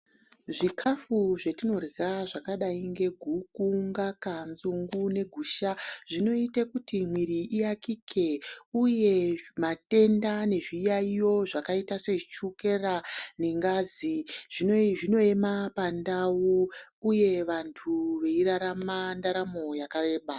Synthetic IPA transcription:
ʐikʰafuʐe̞tino̞rraʐakaɗaiŋɡe̞ɡʱukuŋɡakanzuŋɡune̞ɡʱuːʃaʐ̥ino̞itekutim̤wiɾiʔijakikʰe̞uje̞mate̞ndane̞ʐijaijo̞ʐakaitase̞it͡ʃuke̞rane̞ŋɡaːziʐiʐino̞e̞mapandawuːje̞ʋantʰuʋe̞iɾaɾamandaɾamo̞jakare̞ːɓa

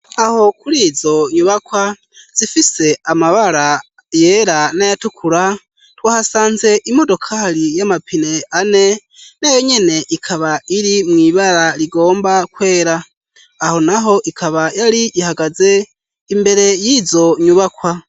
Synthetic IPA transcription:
aho̞kuɾizo̞ɲuβakwa | z̥ifise̞amaβaɾa | jeɾanajatukʰuɾa | twaːhasaːnze̞ʔimo̞do̞kʰaɾijamapʰine̞ane̞ | nejoɲe̞ne̞ʔikʰaβaiɾimŋiːβaɾaɾiɡo̞ːmbakwe̞ːɾaː | ho̞naɦo̞ʔikʰaβajaɾiʔihaɡaze̞ | imbe̞ɾe̞jizo̞ɲuβakwa

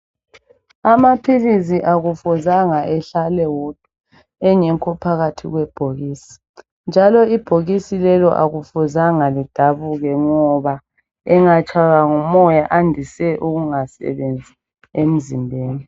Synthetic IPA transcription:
amapʰilisiʔaɣufuzaŋaʔɛɬalɛwɔd̥ʱu | ɛŋɛŋkʰɔpʰaɣatʰḭɣwɛb̥ʱoɣiːsi̥ | nd͡ʒʱalɔib̥ʱoɣisilɛlɔ̰ʔa̰ɣufuzaŋalid̥ʱaβuɣɛŋɔβa | ɛŋat͡ʃʼʰaɣaŋumɔjaʔandʱisɛʔuɣuŋasɛ̰βend͡zʱi̥ | em̩zimbʱeːni

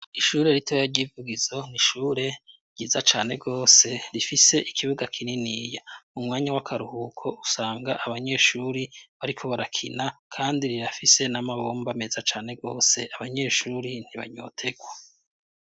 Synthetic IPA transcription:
iʃuːɾe̞ɾitʰojaɾɟiːvuɡizo̞niʃuːɾe̞ | ɟiːzat͡ʃaːne̞ɡo̞ːse̞ɾifise̞ʔikʰiβuɡakʰininiːjaumŋaːɲawakʰaɾuhuːkʰo̞usaːŋɡaʔaβaɲe̞ʃuːɾiβaɾikʰo̞βaɾakʰinakʰaːndiɾiɾafise̞namaβo̞ːmbamezat͡ʃaːne̞ɡo̞ːse̞ʔaβaɲe̞ːʃuːɾin̥iβa̰ɲo̞̰ːtʰe̞ɡwa

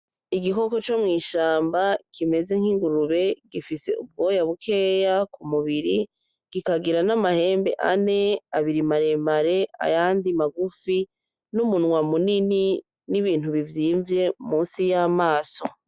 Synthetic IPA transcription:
iɡiko̞ko̞t͡ʃo̞mŋiːʃaːmbakʰime̞ze̞ŋ̥hiŋɡuɾuβe̞ɡifise̞̰ub̚ɡo̞ːjaβukʰeːjakumuβiɾi | ɡ̥ikaɡiɾanamahe̞ːmbe̞̰ʔane̞aβiɾimaɾe̞maɾe̞ʔa̰jaːndimaɡufi | numunwamunini | niβiːn̥huβivjiːɱvje̞muːnsijamaːso̞

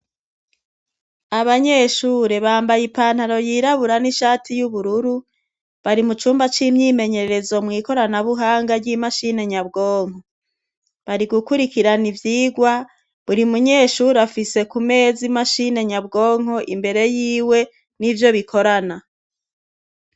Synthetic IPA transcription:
aβaɲeːʃuːɾeβaːmbajipaːn̥haɾo̞jiːɾaβuɾaniʃaːtʰijuβuɾuɾu | βaɾimut͡ʃuːmbat͡ʃiːmɲiːme̞ɲe̞ɾeɾezo̞mŋiːko̞ɾanaβuɦaːŋɡaɾɟimaʃine̞ɲabɡoːŋ̥ho̞ | βaɾiɡukuɾikiɾanivjiːɡwa | βuɾimuɲe̞ːʃuːɾafise̞kume̞ːzimaʃine̞ɲabɡo̞ːŋ̥ho̞ʔimbe̞ɾe̞jiːwe̞ | nivjo̞βikʰo̞ɾana

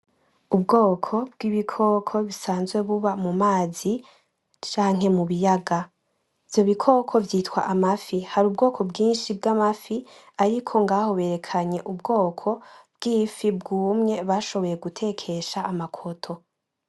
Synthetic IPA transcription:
ubɡoːkʰo̞b̚ɡ̥iβikʰo̞kʰo̞βisaːnzɡwe̞βuβamumaːzi | t͡ʃaːŋ̥he̞muβijaɡa | ivjo̞βikʰo̞kʰo̞vjiːtwa̰ʔamafihaɾuːb̚ɡo̞ːkʰo̞bɡiːnʃib̚ɡamafi | aɾikʰo̞ŋɡaːho̞βe̞ːɾe̞kʰaɲe̞ʔubɡo̞ːkʰo̞b̥ɡiːfibɡuːmɲe̞βaʃo̞βo̞je̞ɡutʰe̞kʰe̞ʃaːmakʰo̞tʰo̞

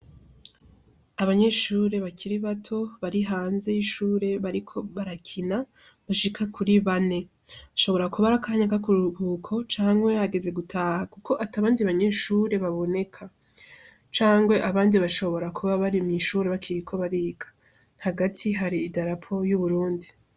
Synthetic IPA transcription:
aβaɲe̞ʃuːɾe̞βakʰiɾiβatʰo̞βaɾiɦaːnze̞jiʃuːɾe̞βaɾikʰo̞βaɾakʰina | βaʃikʰakʰuɾiβane̞ | βaʃo̞βoɾakuβaɾakaɲakakuɾuβukʰo̞t͡ʃaːŋwe̞aɡe̞ze̞ɡutʰaːhakukʰo̞ʔataβaːndiβaɲe̞ʃuɾe̞βaβo̞ne̞kʰa | t͡ʃaːŋɡwe̞ʔaβaːndiβaʃo̞βo̞ɾakʰuβaβaɾimŋiːʃuːɾe̞βakʰiɾikʰo̞βaɾiːɡḁ | haɡatʰiɦaɾiːdaɾapʰo̞juβuɾuːndi

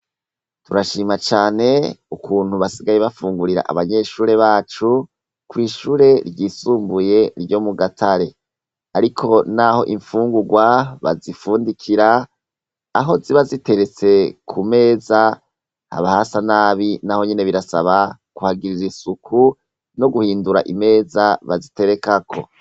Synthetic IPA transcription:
tuɾaʃiːmat͡ʃaːne̞ukʰuːn̥huβasiɡajeβafuːŋɡuɾiɾa̰ʔa̰βaɲe̞ːʃuːɾe̞βaːt͡ʃu | kwiːʃuːɾe̞ɾɟiːsuːmbuje̞ɾɟo̞muɡatʰaɾe̞ | aɾikʰo̞naho̞̰ʔiɱfuːŋɡuɡwaβa̰zifuːndikʰiɾaː | ɦo̞ziβazite̞ɾe̞t͡se̞kʰume̞ːza | ha̰βahasanaːβinaho̞ɲene̞βiɾasa̰βakuhaɡiɾizisukʰu | no̞ɡuhiːnduɾa̰ʔime̞ːzaβazite̞ɾe̞kakʰo̞̰

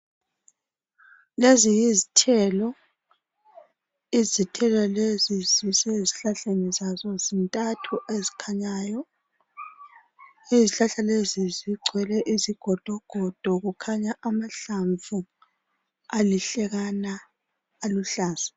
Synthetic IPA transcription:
lezijizitʰɛlɔ | izitʰɛlɔleziziseziɬaɬenizazɔzintʼatʰuʔezikʰaɲaːjɔ | iziɬaɬaleziziǀʱwɛlɛʔiziɡ̥ʱɔd̥ʱɔɡ̥ʱɔd̥ʱɔɣukʰaɲaʔamaɬaɱvu | aliɬɛɣanaː | luɬaːz̥ḁ

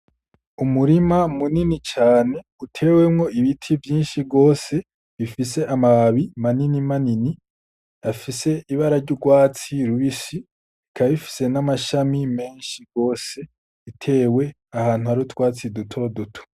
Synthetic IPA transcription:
umuɾimamuninit͡ʃaːne̞ | utʰe̞we̞mŋo̞ʔiβitʰivjiːnʃiɡo̞ːse̞ | βifise̞ʔamaβimaninimanini | afise̞ʔiβaɾaɾɟuɡwaːt͡siɾuβisi | kʰaβifi̥se̞namaʃamime̞ːnʃiɡo̞ːse̞ | itʰe̞ːwe̞ | ahaːn̥huhaɾutwaːt͡sidutʰo̞dotʰu̥

